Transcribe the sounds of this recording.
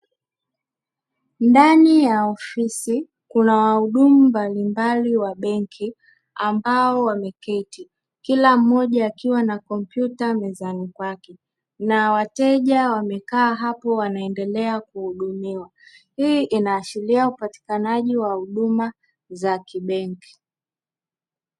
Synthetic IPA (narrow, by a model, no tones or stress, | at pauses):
ndanijaɔfisi | kunawahuɗumumbalimbaliwaɓɛŋkʰi | ambaɔwamɛkɛti | kilam̩ːɔʄaːkiwanakɔmpjutamɛzanikwakɛ | nawatɛʄawamɛkaːɦapɔwanaɛndɛlɛakuhuɗumiwa | hiʔinaːʃiliaupati̥kanaʄiwahuɗuma | zakiɓɛŋki̥